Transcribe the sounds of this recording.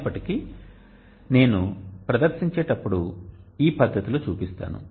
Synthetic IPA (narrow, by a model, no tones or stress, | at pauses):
pːɐʈiki | ne̞ːnupɾɐd̪ɐɾʂiɲt͡ʃe̞ːʈɐpːuɽuiːpɐd̪ʱːɐt̪iloːt͡ʃuːpist̪a̰ːnṵ